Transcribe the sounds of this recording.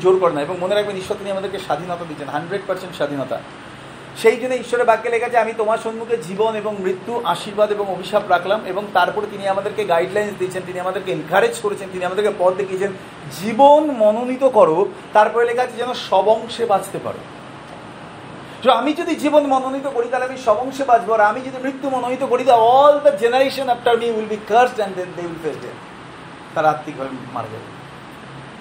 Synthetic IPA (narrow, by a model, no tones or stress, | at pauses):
d͡ʑoɾkɔɾenaeboŋmoneɾak̚beniʃːɔɾt̪iniamad̪eɾkeʃad̪ʱinɔt̪ad̪it͡ɕʰenɦaɳɖɾeɖ̚paɾsenʈʃad̪ʱinɔt̪a̰ | ʃejd͡ʑonːeiʃːɔɾebakːelekʰat͡ɕʰaamit̪omaɾʃonmuked͡ʑiboneboŋmɾit̪ːuʔaʃiɾbad̪eboŋobʱiʃabɾakʰlameboŋt̪aɾpɔɾet̪iniamad̪eɾkeɡajɖlajnsd̪it͡ɕʰent̪iniamad̪eɾkeenkʰaɾed͡ʑkoɾet͡ɕʰent̪iniamad̪eɾkepɔɾd̪ekʰiet͡ɕʰen | d͡ʑibonmɔnonit̪okɔɾo | t̪aɾpɔɾelekʰat͡ɕʰed͡ʑɛnoʃɔbɔŋʃebad͡ʑʰt̪epa̰ɾo̰ | soamid͡ʑod̪id͡ʑibonmɔnonit̪okoɽit̪aleamiʃɔbɔŋʃebad͡ʑʰboaɾamid͡ʑod̪imɾit̪ːumɔnonit̪okoɽit̪aɔlʈaɾd͡ʑenaɾeʃonɛp̚ʈaɾmiulbikəɾsʈɛnɖedeulfed̪ɛ̰a̰ | t̪aɾaat̪ːikbʱabema̰ɾa̰d͡ʑa̰bḛ